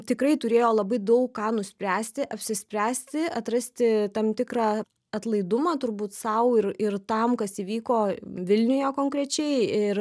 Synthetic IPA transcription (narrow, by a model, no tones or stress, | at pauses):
t̪ʲɪkɾɐɪt̪ʊɾʲeːjoːlˠɐbɐɪd̪ɐʊkkɑːnʊsʲpʲɾʲæːsʲt̪ʲɪʔɐpʲsʲɪsʲpʲɾʲæːsʲt̪ʲɪɐt̪rɐsʲt̪ʲɪt̪ɐmt̪ʲɪkɾɑː | ɐt̪lˠɐɪd̪ʊmɑːt̪ʊɾbuːt̪sɐʊɪɾɪrt̪ɐmkɐsiːʋʲiːkoːʋʲɪlʲnʲʊjoːkoːŋkɾʲɛt͡ʃʲɛɪɪr